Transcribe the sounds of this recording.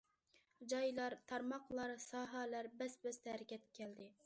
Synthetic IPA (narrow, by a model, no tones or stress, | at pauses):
d͡ʒɑjlˠɑɾt̪ʰɑɾmɑqlˠɑɾsɑːɦɑlæɾbɛsbɛst̪ɛæɾɪkʲʰɛt̪kʲʰɛld̪ɪ